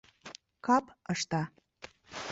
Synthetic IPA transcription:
kɑpəʃt̪ɑ

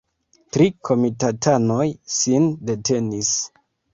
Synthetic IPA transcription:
tɾikʰo̞mitatʰano̞jsinde̞te̞nis

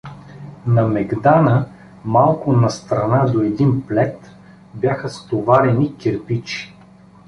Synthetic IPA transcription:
nɐmɛɡd̪anə | malˠkʊnɐst̪ɾɐnad̪oɛd̪inplɛt̪ | bjaxəst̪ovaɾɛnikʲɛɾpit͡ʃi̥

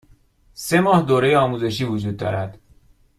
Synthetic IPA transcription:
se̞mɒːhd̪oːɾejeɒːmuːze̞ʃiːvod͡ʒuːd̪̚ːɒ̰ːɾæd̪̥

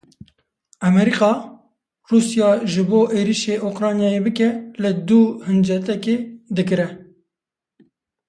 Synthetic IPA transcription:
ɛmɛɾiːqɑː | ruːsjɑːʒɨboːʔeːɾiːʃeːʔokɾɑːnjɑːjeːbɨkɛlɨd̪uhɨnd͡ʒɛt̪ɛkeːd̪ɨkɨɾɛ

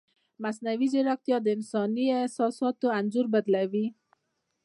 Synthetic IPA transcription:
masnawid͡ʒeɾɑk̚t̪jɑd̪ɪnsɑniesɑsɑt̪oand͡ʒuɾbad̪lawi

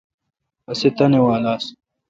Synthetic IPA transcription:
ɐset̪ɐnewaːlaːs

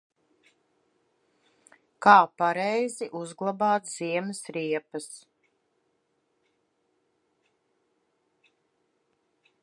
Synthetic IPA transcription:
kaːpaɾɛjziʔuzɡlˠabaːt̪z̥iɛmɪsɾiɛpɐs

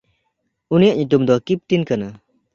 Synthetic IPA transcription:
unijaʔɲut̪umd̪ɔkip̚t̪inkana

